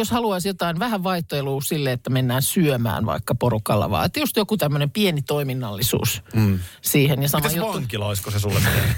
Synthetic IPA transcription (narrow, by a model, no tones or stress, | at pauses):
joshɑluɑisjot̪ɑinʋæhæʋʋɑiht̪oeluːsilːeet̪ːæmenːæːnsyømæ̰ːnʋɑ̰ikːɑporukɑ̰lːɑ̰ʋɑ̰ːet̪ːjust̪jokut̪æmːønempienit̪oiminːɑlːisṵːs | siːhenjɑsɑmæjjoʋɑŋkilɑoiskosesulːḛmenḛ